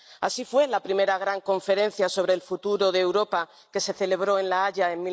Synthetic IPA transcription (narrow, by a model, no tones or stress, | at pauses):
asifwe̞lapɾime̞ɾaɣ̞ɾaŋkõ̞ɱfe̞ɾe̞n̟θjaso̞β̞ɾe̞lfut̪uɾo̞ðeːwɾo̞pa | ke̞se̞θe̞le̞β̞ɾo̞e̞nlaaʎae̞mmi